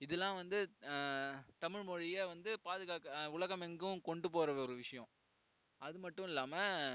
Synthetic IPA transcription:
ɪðɛlːãːʋɐnd̪ɯ | t̪ɐmɪɻmɔɻɪjɐʋɐnd̪ɯpaːðɯɣaːkɐʊɭɐɣɐmɛŋɡɯkɔɳɖɯp̬oːɾɐɔɾɯʋɪʂɐjɔ̃ | ʔɐðɯmɐʈːʊ̃ɪlːaːmɐ

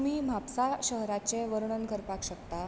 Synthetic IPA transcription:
m̤iːm̤ʱapsaɕəɦɾat͡ɕeʋəɾɳənɡʱəɾpakɕəkt̪a

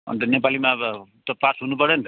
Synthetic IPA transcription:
ʌ̰nt̪ʌnepalimabʌt̪ʌpasɦunupʌɾenit̪

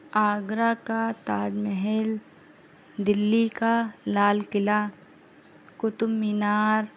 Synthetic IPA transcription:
aːɡɾakat̪aːd͡ʒmɛɦɛl | d̪ɪlːikalaːlkɪla | kʊt̪ʊmːinaːɾ

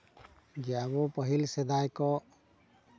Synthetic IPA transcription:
d͡ʒɛabɔpəɦilsɛd̪ajkɔʔ

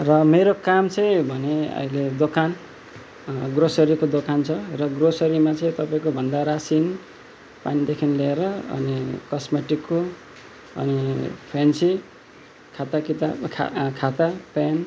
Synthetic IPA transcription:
rʌmeɾokamt͡sʌj̃bʱʌneʌ̰iled̪okan | ɡrosʌɾikod̪okant͡sʰʌrʌɡrosʌɾimat͡sʌ̃ĩt̪ʌpaĩkobʱʌnd̪aɾasin | panid̪ekʰinleeɾʌʌ̰nikʌsmeʈikːo | ʌ̰nipʰɾensi | kʰat̪akit̪a̰kʰat̪apan

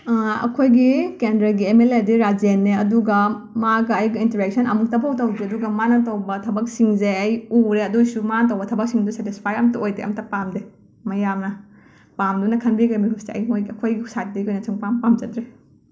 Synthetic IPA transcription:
ɐ̰kʰojɡikendɾɐɡiemelediɾad͡ʒenːeɐduɡɐ | maɡɐɐjɡiinteɾek̚sɐnɐmuk̚tɐbʰawtɐwdɾeɐduɡɐmanɐtɐwbɐtʰɐbɐk̚siŋzeɐjuɾeɐdusumanɐtɐwbɐtʰɐbɐk̚siŋdusetispʰajɐmtɐojdeʔɐ̰mtɐpamde | mɐjamnɐ | pamdunɐkʰɐnbiɡɐmiɦuseɐ̰jmojɡiɐkʰojɡisat̚dikojnɐt͡ʃɐŋpampamd͡ʒɐtɾe

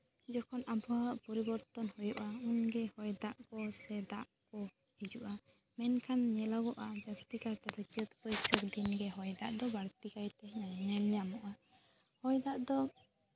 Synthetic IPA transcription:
d͡ʒɔkʰɔnʔabɔwaʔpɔɾibɔɾt̪ɔnhujɔʔaunɡɛhɔjd̪aʔkɔsɛd̪aʔkɔ | hid͡ʒuʔa | mɛnkʰanɲɛlɔɡɔʔad͡ʒast̪ikaɾt̪ɛd̪ɔt͡ʃət̪pɔjsək̚d̪inɡɛɦɔjd̪a̰ʔd̪ɔbaɽt̪ikajt̪ɛnaɲalɲamɔʔa | hɔjd̪aʔd̪ɔ

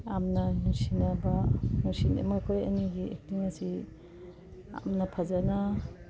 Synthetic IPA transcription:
amnanusinabanusinmojkʰoja̰niɡiḛk̚tiŋasi | a̰mnapʰazana

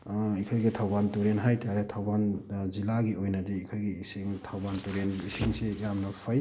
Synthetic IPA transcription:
ikʰajɡitʰawbantuɾenɦajtʰaaɾetʰawbanzilaɡiʔojnɐdiikʰajɡiisiŋtʰawbantuɾenisiŋsejamnɐpʰaj

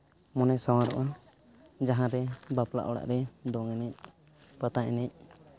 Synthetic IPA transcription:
mɔnɛʔsawãɾɔ̰ʔa | d͡ʒaɦãɾɛbapla̰ʔɔɽa̰ʔɾɛd̪ɔŋɛnɛc̚ | pat̪aʔɛnɛc̚

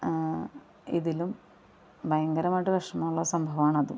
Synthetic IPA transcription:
ḭðilum | bʱɐjɐŋɡɐɾɐmaːjʈːɨʋɐʂɐmɐːuɭːɐsɐmbʱɐʋaːɳɐðṵ

